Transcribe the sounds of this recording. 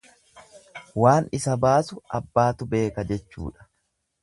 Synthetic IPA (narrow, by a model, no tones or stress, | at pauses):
waːnɪsɐbaːsʊɐbːaːt̪ʊbe̞ːkɐd͡ʒɛt͡ʃːṵːᶑɐ̥